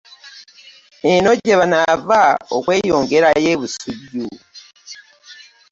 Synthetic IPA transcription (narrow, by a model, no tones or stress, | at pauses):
eno̞ɟeβanavao̰kwe̞ːjoːŋɡe̞ɾaje̞ːβusuɟu